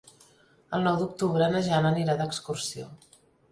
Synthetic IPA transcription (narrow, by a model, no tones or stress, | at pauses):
əlˠnɔwd̪uk̚t̪uβɾənəʒanəniɾad̪əkskursio